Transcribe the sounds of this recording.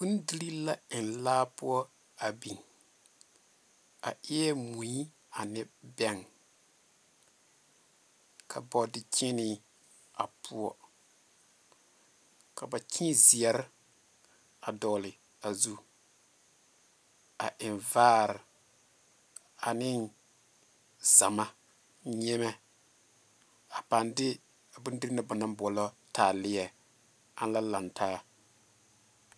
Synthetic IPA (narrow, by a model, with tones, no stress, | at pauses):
ku˦n˦di˦li˦la˦ɪ˨n˨laː˦pu˦ɔ˦ | a˨bi˨ŋ | a̰˨ʔɪ˦ɛ˦mu˨i˦ | a˨nɪ˦bɛ˦ŋ | kʰa˨bɔ˨dɪ˨t͡ʃi˦nɪ˦ | a˨pʰu˦ɔ̰˦ | ka˨ba˨t͡ʃʰĩ˦zi˨ɛ˨ɾɪ˦ | a˨dɔ˨lɪ˨ | a˨zu˦ | a̰˨ʔɪ˨nvaː˦ɾɪ˨ | a˨nɪ˦n | za˨ma˦ | ɲɛ˦mɛ˦ | a˨pa˨ndɪ˦ | a˨bu˦n˦di˦ɾna˦ba˨na˦mbɔ˨lɔ˦taː˨lɪ˦ɛ˨ | a˦n˦la˦la˨ntʰaː˦